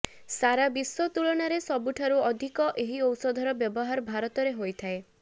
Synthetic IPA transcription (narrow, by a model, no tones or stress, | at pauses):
saɾabiswɔt̪uɭɔɽ̃aɾesɔbuʈʰaɾuɔd̪ʱikɔʔeɦiɔwsɔd̪ʱɔɾɔbjɔbɔɦaɾbʱaɾɔt̪ɔɾeɦojt̪ʰae